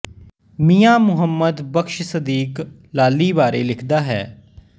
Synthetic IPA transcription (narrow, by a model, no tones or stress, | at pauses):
mijãːmʊɦəmːəd̪bəkʃsəd̪iːk | laːlːiːbaːɾeːlɪkʰd̪aːɦɛː